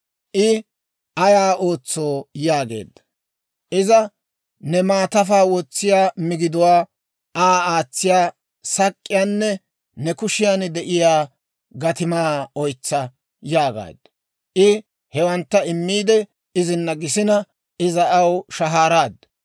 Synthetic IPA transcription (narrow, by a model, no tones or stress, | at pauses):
ʔɪ | ʔɐjaːo̞ːt͡sːoːjaːɡḛːd̪ːɐ | ʔɪzɐ | nɛmaːt̪ɐfaːwɔt͡sːɪjaːmɪɡɪd̪ʊwaː | aːaːt͡sːɪjaː | sɐkʼːɪjaːnːɛ | nɛkʊʃɪjaːnd̪ɛʔɪjaː | ɡɐt̪ɪmaːɔjt͡sːɐ | jaːɡa̰ːd̪ɐ | ʔɪ | hɛwɐnt̪ːɐɪmːiːd̪ɛ | ɪzɪnːɐɡɪs̬ɪnɐ | ɪzɐɐwʃɐɦaːɾaːd̪ː